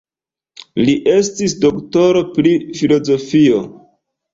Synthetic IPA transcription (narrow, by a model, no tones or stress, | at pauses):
liʔe̞stisdokto̞ɾo̞pɾifilo̞zo̞fio